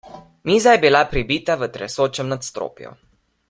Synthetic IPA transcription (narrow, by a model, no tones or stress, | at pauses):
miːzajɛbilapɾibit̪aʋət̪ɾɛ̰soːt͡ʃɛmnat̪st̪ɾo̰ːpjɔ̰